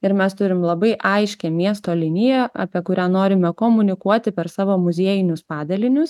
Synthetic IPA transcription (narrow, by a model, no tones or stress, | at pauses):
ɪɾmʲɛst̪ʊɾʲɪmlˠɐbɐɪʔɐɪʃʲkʲɛmʲiɛst̪oːlʲɪnʲɪjɛɑ̰pʲiɛkʊɾʲæːnoːɾʲɪmʲɛkoːmʊnʲɪkuɔt̪ʲɪpʲɛɾsɑːʋoːmʊzʲiɛjɪnʲʊspɑːd̪ɐlʲɪnʲʊs